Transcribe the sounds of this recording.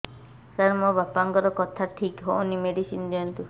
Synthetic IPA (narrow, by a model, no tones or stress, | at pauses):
kaɾmɔbapaŋkɔɾɔkɔt̪ʰaʈʰikɦoʔunimeɽisind̪iɔnt̪u